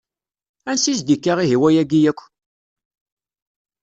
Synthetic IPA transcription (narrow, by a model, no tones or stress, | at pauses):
ænsisd̪ikːaʁiɦiwæjæɡijækʷː